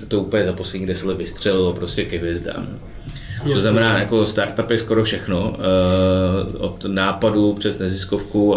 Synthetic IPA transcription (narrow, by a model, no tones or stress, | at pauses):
t̪ouːpəɲɛzaposlɛɲiːɡdɛsɛlɛvɪst̪r̝̥ɛlɪlo̞pɾo̞scɛkɛɦvɪɛzda̰ːm | t̪oznamɛnaːjako̞st̪aɾt̪apɪsko̞ɾofʃɛxno̞ | o̰t̪naːpadupr̝̥ɛznɛzɪsko̞fku